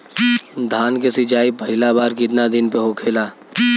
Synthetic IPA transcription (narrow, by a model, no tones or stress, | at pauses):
d̪ʱaːnkesɪt͡ʃaːipɐɦɪlabaːɾkɪt̪nad̪ɪnpeɦokʰeːlaː